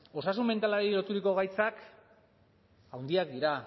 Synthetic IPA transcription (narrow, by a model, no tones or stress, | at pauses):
o̞sasume̞nt̪alaɾilo̞t̪uɾiko̞ɣ̞ajt͡sak | awnd̪iak̚d̪iɾa